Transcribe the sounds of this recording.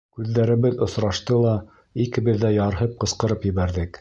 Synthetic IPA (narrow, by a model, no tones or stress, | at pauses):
kʉðːæɾɘ̆βɘðŏsɾɑʃt̪ɤlˠɑ | ikɘ̆βɘ̆ðːæjɑɾɦɤp̚qɤ̆sqɤ̆ɾɤpjɘ̆βæɾðɘk